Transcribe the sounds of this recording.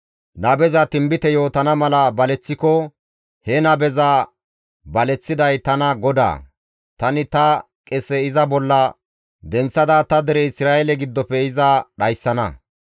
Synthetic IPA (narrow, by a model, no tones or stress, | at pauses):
nɐbɛzɐt̪ɪmbɪt̪ɛjo̞ːt̪ɐnɐmɐlɐbɐlɛt͡sːɪkɔ | hɛnɐbɛza | bɐlɛt͡sːɪd̪ɐjt̪ɐnɐɡɔd̪a̰ː | t̪ɐnɪt̪ɐ | kʼɛsɛɪzɐbɔlːɐ | d̪ɛnt͡sːɐd̪at̪ɐd̪ɛɾɛɪsɾaːɛlɛɡɪd̪ːɔpɛɪzɐɗɐjsːɐnɐ̰